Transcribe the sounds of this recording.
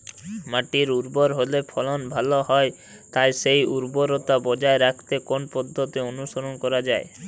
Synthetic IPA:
maʈiɾuɾbɔɾɦolepʰɔlɔnbʱalɔɦɔe | t̪aesejuɾbɔɾot̪abɔd͡ʒaeɾakʰt̪ekonpɔd̪ʱːɔt̪ionusɔɾɔnkɔɾad͡ʒae

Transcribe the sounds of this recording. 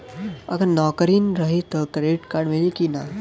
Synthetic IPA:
ɐ̰ɡəɾnɔːkəɾiːnɾɐɦit̪əkɾeːʈkaːɾɖmelikina

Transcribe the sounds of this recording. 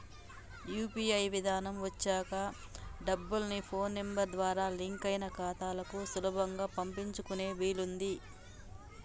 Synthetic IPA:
juːpiːɐjʋid̪ʱaːnɐmʋɐt͡ʃːaːkɐ | ɖɐbːulnipʰo̞ːnːembɐɾd̪ʋaːɾaːliŋkɐjnɐkaːt̪aːlɐkusulɐbʱɐŋɡaːpɐmpiɲt͡ʃukune̞ːʋiːlund̪i

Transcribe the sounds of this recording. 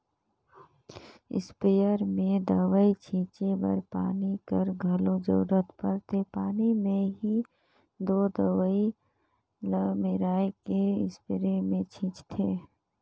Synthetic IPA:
ɪ̰spejəɾmẽd̪əʋəit͡ʃʰĩːt͡ʃebə̰ɾpa̰ːnikəɾɡʱəlõd͡ʒə̰ɾuɾət̪pəɾt̪ʰepaːnimẽɦi | d̪oːd̪əʋəi | ləmɪɾaːekeɪ̰spɪɾemẽt͡ʃʰĩːt͡ʃt̪ʰeː

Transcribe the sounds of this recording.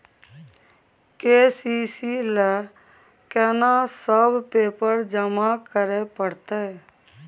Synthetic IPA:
keːsiːsile | kɛnasəbpeːpəɾd͡ʒəmakəɾepəɽt̪e

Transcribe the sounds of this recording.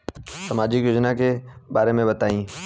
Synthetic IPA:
sɐmaːd͡ʑikjʊd͡ʒnakebaːɾemẽbɐt̪aːĩː

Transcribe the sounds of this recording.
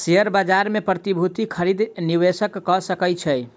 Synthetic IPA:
seəɾbad͡ʒaɾmepɾət̪ibʱut̪ikʰəɾid̪niwesəkːɔsəkət͡ʃʰɛj

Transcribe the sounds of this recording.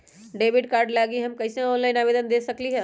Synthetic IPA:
ɖebʱiɖkaɾɖlaɡiɦəmkəɪseɔnlajnabed̪ənd̪esəkliɦɛ̃

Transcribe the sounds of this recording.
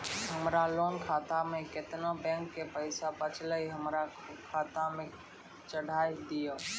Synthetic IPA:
ɦəmɾaloːnkʰaːt̪amẽkɪt̪nãbɛ̃ːŋkːepəɪsapət͡ʃləiɦəmɾa | kʰaːt̪amẽ | t͡ʃəɽʱaːid̪ijoː

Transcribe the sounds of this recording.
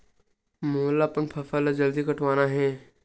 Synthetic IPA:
moːlapənpʰɐfəlad͡ʒəld̪ikɐʈʰʋaːnaɦɛ̃ː

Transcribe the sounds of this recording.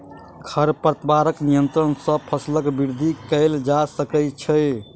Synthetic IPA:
kʰəɾpəɾt̪baɾəknijənt̪ɾənsə̃pʰəsləkbiɾd̪ʱikəɪld͡ʒasəkət͡ʃʰəj

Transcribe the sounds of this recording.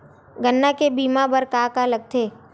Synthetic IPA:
ɡənːakebiːmabəɾkaːkaləɡ̚t̪ʰeː

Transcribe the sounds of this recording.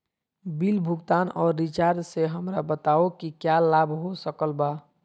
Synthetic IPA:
bilbʱuɡt̪anɔːɾːit͡ʃaɾd̪seɦəmɾabət̪aokikjalabʱɦosəkəlba

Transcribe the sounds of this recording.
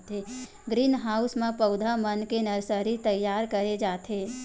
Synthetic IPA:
t̪e | ɡɾiːnɦaːʊsmẽpəʊd̪ʱamənkenəɾsəɾit̪əjːaːɾkəɾed͡ʒaːt̪eː

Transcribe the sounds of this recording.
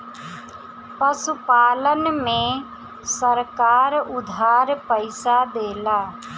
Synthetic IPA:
pəsupaːlənmẽ | səɾkaːɾʊd̪ʱaɾpəɪsad̪eːla

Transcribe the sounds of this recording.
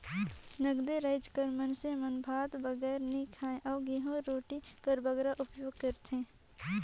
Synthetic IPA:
nəɡd̪eɾəɪd͡ʒkəɾmənsemənbʱaːt̪bəɡɛːɾnikʰaːẽʔɔːɡiɦõɾoːʈikəɾbəɡɾaʔʊpjoːɡ̚kəɾt̪ʰẽː

